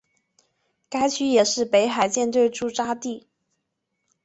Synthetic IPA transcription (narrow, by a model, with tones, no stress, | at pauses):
ka˥ɪt͡ɕʰy˥jɛ˨˩ʂɻ̩˥˩pe˧˥ɪxa˨˩ɪt͡ɕjɛ˥˧nt̪̬we˥˧ɪʈ͡ʂu˥˩ʈ͡ʂa˥t̪i˥˩